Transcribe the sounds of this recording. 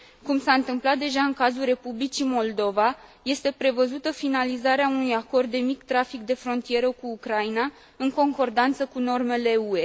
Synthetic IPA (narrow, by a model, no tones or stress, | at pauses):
kumsaɨnt̪ɨmplat̪̚d̪e̞ʒaɨŋkazulre̞publit͡ʃimo̞ld̪o̞vaje̞st̪e̞pɾe̞vəzut̪əfinalizaɾeaunujako̞rd̪̚ːe̞mikt̪ɾafik̚d̪e̞fɾo̞nt̪ije̞ɾəkuːkɾaina | ɨŋko̞ŋko̞rd̪ant̪səkuno̞rme̞le̞ue̞